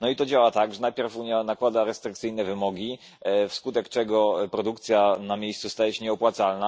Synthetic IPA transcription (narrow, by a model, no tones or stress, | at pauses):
nɔit̪ɔd͡ʑawat̪aɡʐɛnajpʲjɛɾfuɲjanakwad̪aɾɛst̪ɾɘk̚t̪sɘjnɛvɘmɔɡʲi | fskut̪ɛkt͡ʂɛɡɔpɾɔd̪uk̚t̪sʲjanamʲjejst̪sust̪ajɛɕɛɲɛɔpwat̪salna